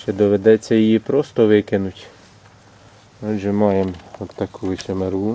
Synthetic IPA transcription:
t͡ʃɛd̪ɔʋed̪ɛt͡sʲːɐjɪjipɾɔst̪ɔʋɪkɪnʊtʲ | ɔʒɛmɑjemɔt̪ːɐkuʋɪsʲemeɾu

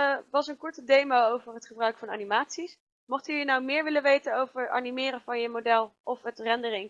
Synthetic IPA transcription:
ʋɑsənkɔɹtədejmaowvəɹɦətχəbrœɥkfɑna̰ːnimaːtsis | mɔχtəjənawmɪːɹʋɪlənʋejtənowvəɹtɑ̰nimɪːɾəvɑnjəmodɛlˠʔɔfɦətrɛndərɪŋ

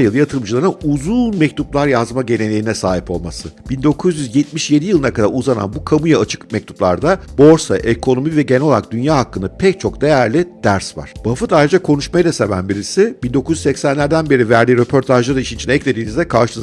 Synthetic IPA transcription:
jɯlˠjat̪ʰɯɾmd͡ʒɯlˠaɾɯnuzunmɛc̚t̪ʰuplˠaɾjazmaɟe̞ne̞nʲejinɛsaːɦipo̞lˠmasɯb̥ind̪o̞kʰuzjyzjɛt̪miʃje̞d̪ijɯlˠɯnakʰad̪a̰ɾuzana̰nbukʰamujaːt͡ʃʰɯ̥kmɛc̚t̪ʰu̥plˠa̰ɾd̪abo̞ɾsaʔekʰo̞no̞mivɛɟe̞nɛlolˠaɾa̰k̚d̪ynjaːɦakːɯnapʰɛc̚t͡ʃʰo̞kd̪e̞jæɾlʲid̪̥æɾsva̰ɾ̥b̥afɯd̪aːjɾed͡ʒakʰo̞nuʃmajad̪ase̞væ̰nbiɾisɪb̥ind̪o̞kʰuzʲy̥sɛcsænlʲæɾd̪ænbe̞ɾivæɾd̪ʲiːɾe̞pʰo̞ɾt̪ʰaʒlˠaɾaiʃint͡ʃʰinɛɛclʲe̞d̪iːnizd̪ɛkʰaɾʃɯs

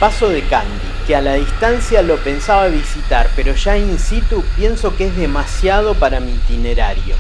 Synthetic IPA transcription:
paso̞ðekand̪ikealaðist̪ansjalo̞pe̞nsaβaβisit̪aɾpeɾo̞ʒaeninsit̪upje̞nso̞keezðemasjað̞o̞paɾamiːt̪ineɾaɾjo̰

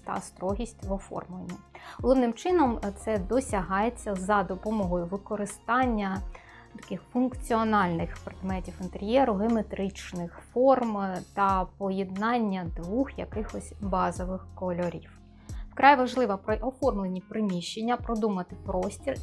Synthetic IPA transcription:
t̪ɐ̰st̪ɾɔɦʲisʲtʲʋɔfɔ̰rmlˠenʲːilˠɔʋnɪmt͡ʃɪnɔmt̪sɛd̪ɔsʲɐɦɑjet͡sʲːɐzɐd̪ɔpɔmɔɦɔjʊʋɪkɔɾɪst̪ɑnʲːɐ | t̪ɐ̥kɪxfʊnkt͡sʲiɔnɑlʲnɪxpɾed̪mɛtʲiwɪnt̪eɾʲjɛɾʊɦemet̪ɾɪt͡ʃnɪxfɔrmt̪ɐpɔjɛd̪nɑnʲːɐd̪ʋuxjɐ̰kɪxɔsʲbɑzɔʋɪxkɔlʲɔɾʲiw | wkɾɑjʋɐʒlˠɪʋɐpɾʔɔfɔrmlˠenʲipɾɪmʲiʃːe̞nʲːɐpɾɔd̪umɐt̪ɪpɾɔsʲtʲir

